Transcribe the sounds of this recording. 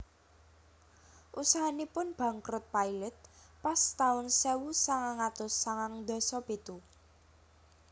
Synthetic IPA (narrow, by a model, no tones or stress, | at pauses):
ʔusaɦanipʊnb̥ä̤ŋkɾʊt̪̚pailɛt̪̚past̪aʊnsewusaŋaŋat̪ʊsːaŋaŋd̪ɔ̤sɔpet̪u